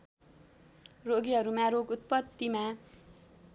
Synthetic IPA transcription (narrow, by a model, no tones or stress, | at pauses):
roɡiɦʌɾumaɾoɡut̪̚pʌd̪ːima